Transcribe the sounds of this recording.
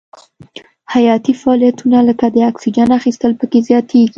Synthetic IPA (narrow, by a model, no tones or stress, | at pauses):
hajɑt̪ifaɑlijat̪unaləkad̪əaksid͡ʒanaxist̪əlpəkezjɑt̪ʰeɡi